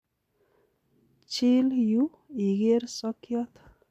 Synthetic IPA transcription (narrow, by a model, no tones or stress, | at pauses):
t͡ʃʰilju | iɡeɾsɔkjɔt̪ʰ